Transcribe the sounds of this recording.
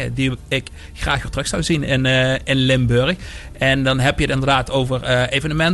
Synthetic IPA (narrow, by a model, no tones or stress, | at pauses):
ə̰diɪk | xraːxʋɪtrəxsawzinɪnɪnlɪmbøɹx | ɛndɑnɦɛpjətɪndəɹrdaːtʰowvərəejvənəmɛn